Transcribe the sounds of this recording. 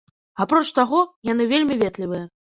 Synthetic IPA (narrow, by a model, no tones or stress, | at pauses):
apɾɔt͡ʂt̪aɣɔjan̪ɨvʲelʲmʲivʲɛt̪lʲivɨjɐ